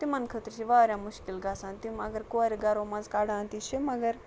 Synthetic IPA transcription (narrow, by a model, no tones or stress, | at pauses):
t̪imɐnkʰət̪ɾʃiʋaːɾʲjãːmʊʃkilɡaːsãːnt̪imɐɡəɾkoɐɾiɡɐɾoːmɐ̃nzkaːɽãːnt̪iʃʰimɐɡəɾ